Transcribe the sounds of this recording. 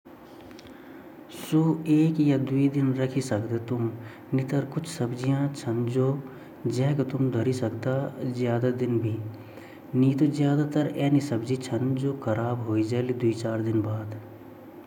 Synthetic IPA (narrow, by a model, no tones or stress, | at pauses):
suːeːkjad̪uid̪ɪnɾɐkʰisɐkd̪et̪ʊm | nit̪ɐɾkʊt͡ʃʰsɐbd͡ʒijãt͡ʃʰɐnd͡ʒoː | d͡ʒɛɦkɐt̪ʊmd̪ʱɐɾisɐkd̪azjaːd̪ad̪ɪnbʱi | nit̪ozjaːd̪at̪əɾɛːnisɐbd͡ʒit͡ʃʰɐnd͡ʒoːkʰɐɾaːbɦoːid͡ʒalid̪uit͡ʃaːɾd̪ɪnbaːd̪